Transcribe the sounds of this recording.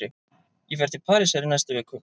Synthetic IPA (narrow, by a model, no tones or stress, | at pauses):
ɪ | jɛvɛɾt̪ɪpʰaːɾɪsɛɾɪnajst̪ʏvɛːkʏ